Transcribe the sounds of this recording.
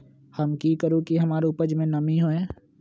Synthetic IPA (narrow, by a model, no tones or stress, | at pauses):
hɐmkikəɾũkiɦɐmaːɾupəd͡ʒmẽnɐmiɦoɛ̃ː